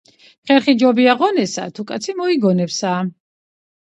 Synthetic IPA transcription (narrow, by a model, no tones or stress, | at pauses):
χɛɾχid͡ʒɔbiaʁɔnɛsa̰t̪ʰukʼat̪sʰimɔiɡɔnɛpsa